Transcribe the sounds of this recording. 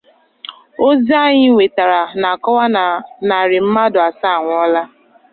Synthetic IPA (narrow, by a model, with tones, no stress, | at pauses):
o˦zi˦a˦ɲɪ˦ŋʷe˨ta˨ɾa˨na˨kɔ˦wa˦na˨ɾɪ˨m̩˦ma˦dʊ˨a˨sa˦a˨ŋʷ˨ɔ˦la˦